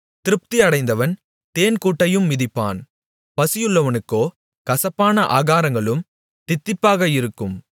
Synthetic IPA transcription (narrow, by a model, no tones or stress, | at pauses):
t̪ɪɾɯp̚t̪iɐɽɐɪnd̪ɐʋɐn | t̪eːnkuːʈːɐjɯmːɪðɪpːa̰ːn | pɐsɪjɯɭːɐʋɐnɯkːoː | kɐsɐpːaːnɐʔa̰ːɣaːɾɐŋɡɐɭɯm | t̪ɪt̪ːɪpːaːɣɐɪɾɯkːɯm